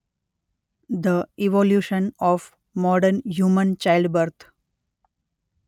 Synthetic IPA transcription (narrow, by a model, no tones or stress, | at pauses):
d̪əiʋoljuːʃə̃nɔːf | mɔːɖəɾnɦjuːmə̃nt͡ʃaɪlɖbəɾt̪ʰ